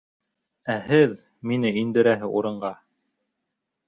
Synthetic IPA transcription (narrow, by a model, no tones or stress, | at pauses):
æhɘð | minɘind̪ɘ̆ɾæɦɘʔuɾɤ̆ɴɢɑ